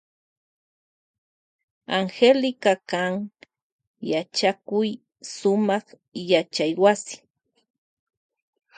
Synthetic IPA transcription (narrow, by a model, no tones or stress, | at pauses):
aŋxelɪkakaŋ | jat͡ʃakʊj | sʊmɑχ | jat͡ʃajwasɪ̥